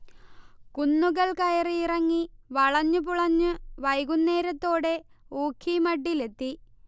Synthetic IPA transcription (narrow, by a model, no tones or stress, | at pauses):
kunːuɣɐɭkɐjɐriirɐŋːiʋɐɭɐɲːɨp̬uɭɐɲːɨʋɐjɣunːe̞ːɾɐt̪ːo̞ːɽe̞ | uːkʰːimɐɖːile̞t̪ːi